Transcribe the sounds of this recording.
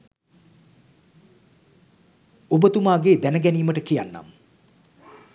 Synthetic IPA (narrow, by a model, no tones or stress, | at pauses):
obət̪umaːɡeːd̪ænəɡɛniːməʈəkijanːa̰m